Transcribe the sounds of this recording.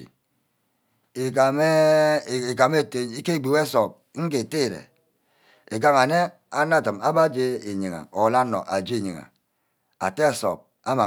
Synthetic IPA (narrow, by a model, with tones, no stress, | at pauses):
e˨ka˨me˦˨e˨ka˨me˦˨te˦i˦ke˦˨ɡ͡bi˨we˦so˨p̚ | ŋ̩˦ke˨te˦˨ɾḛ˨ | e˨ka˦ŋa˨ne˦ | a˦na˦˨tɨ˨ma˦ba˦d͡ʒe˦e˨ɲi˨ŋa̰˨o˨la˦no̰˨ʔa̰˨d͡ʒe˦˨ɲḭ˨ŋa̰˨ | a̰˨te˦a˨so̰˨b̚ | a˦ma˨